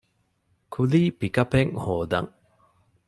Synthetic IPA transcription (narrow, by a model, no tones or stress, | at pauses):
kʰuliːpikɐpeŋhoːd̪ɐ̰ŋ